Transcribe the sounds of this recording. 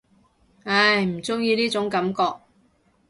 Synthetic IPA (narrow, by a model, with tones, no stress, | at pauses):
ɐ˧˩jm̩˨˩t͡sʊ˥ŋjiː˧niː˥t͡sʊ˨˥ŋkɐ˨˧˥mkɔː˧k̚